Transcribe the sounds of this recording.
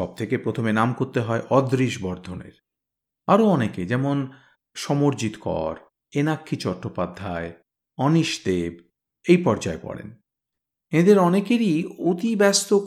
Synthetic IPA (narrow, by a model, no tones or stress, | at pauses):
ɔb̚t̪ʰekepɾot̪ʰomenamkoɾt̪eɦɔeʔɔd̪ɾiʃbɔɾd̪ʱonḛɾ | aɾoɔneked͡ʑɛmon | ʃɔmoɾd͡ʑit̪kɔ̰ɾ | enakʰːit͡ɕɔʈːopad̪ʱːae | ɔniʃd̪eb | ejpɔɾd͡ʑaepɔ̰ɽḛn | ed̪eɾɔnekeɾiot̪ibɛst̪o